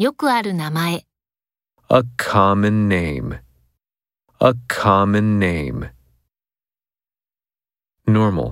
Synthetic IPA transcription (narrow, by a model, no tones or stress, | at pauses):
jo̞kɯ̟aɾɯ̟namae | əkʰɑmɨ̃nːẽɪ̃m | əkʰɑmɨ̃nːẽɪ̃m | nɔɹm̰l̩ˠ